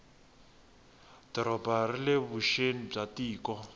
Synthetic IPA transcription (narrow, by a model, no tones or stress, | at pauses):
d̥ɔɾɔbarileβuʃenib͡ʐatiːkɔ